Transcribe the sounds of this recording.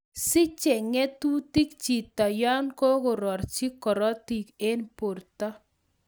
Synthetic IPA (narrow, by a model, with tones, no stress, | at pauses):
sɪ˦t͡ʃɛ˨ŋɛ˦tu˦ti˦kt͡ʃi˨tɔ˨ja˦nkɔ˦kʊ˨ɾɔ˨rt͡ʃi˦kɔ˨ɾɔ˦ti˨ke˦npo˨rtɔ˦